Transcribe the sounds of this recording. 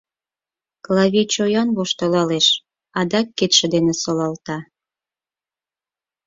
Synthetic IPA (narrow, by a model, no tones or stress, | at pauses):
klɑβʲet͡ɕojɑnβoʃt̪olɑleʃ | ɑd̪ɑkːet̪ʃĕd̪enesolɑlt̪ɑ